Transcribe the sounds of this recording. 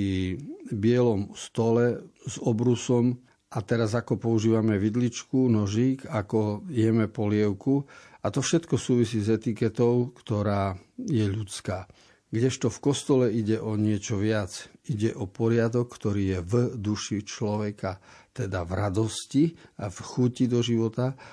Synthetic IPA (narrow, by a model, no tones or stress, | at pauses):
ibɪɛlɔmst̪ɔlɛzɔbɾusɔm | ʔat̪ɛɾazakɔpɔuʒiːʋamɛʋid̪lit͡ʃkunɔʒiːkakɔjɛmɛpɔlɪɛʊkuat̪ɔfʃɛt̪kɔsuːʋisiːzɛt̪ikɛt̪ɔʊkt̪ɔɾaːjɛʎut͡skaː | ɡɟɛʃt̪ɔfkɔst̪ɔlɛiɟɛʔɔɲɪɛt͡ʃɔʋɪad͡ziɟɛʔɔpɔɾɪad̪ɔkːt̪ɔɾiːjɛvd̪uʃit͡ʃlɔʋɛkat̪ɛd̪avɾad̪ɔsciafxucid̪ɔʒiʋɔt̪a